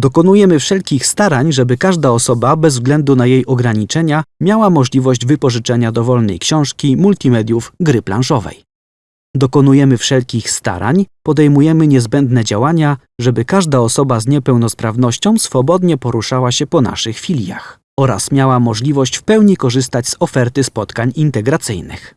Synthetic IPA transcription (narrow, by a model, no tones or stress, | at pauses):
d̪ɔkɔnujɛmɘfʂɛlkʲixst̪aɾaɲʐɛbɘkaʐd̪aɔsɔbabɛzvɡlɛnd̪unajejɔɡɾaɲit͡ʂɛɲamʲjawamɔʐlʲivɔʑd͡ʑvɘpɔʐɘt͡ʂɛɲad̪ɔvɔlnɛ̰jkɕɔ̃w̃ʂkʲimult̪ʲimɛd̪ʲjuvɡɾɘpla̰nʂɔvɛ̰j | d̪ɔkɔnujɛmɘfʂɛlkʲixst̪a̰ɾa̰ɲpɔd̪ɛjmujɛmɘɲɛzbɛnd̪nɛd͡ʑawaɲa | ʐɛbɘkaʐd̪aɔsɔbazɲɛpɛwnɔspɾavn̪ɔɕt͡ɕɔ̃w̃sfɔbɔd̪ɲɛpɔɾuʂawaɕɛpɔna̰ʂɘxfʲilʲja̰x | ɔɾa̰smʲjawamɔʐlʲivɔɕt͡ɕfpɛwɲikɔʐɘst̪ad͡ʑzɔfɛɾt̪ɘspɔt̪kaɲint̪ɛɡɾat̪sɘjnɘ̰x